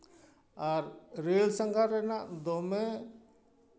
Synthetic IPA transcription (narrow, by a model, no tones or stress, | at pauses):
aɾɾeːlsəŋɡʱaɾɛnaʔd̪omẽ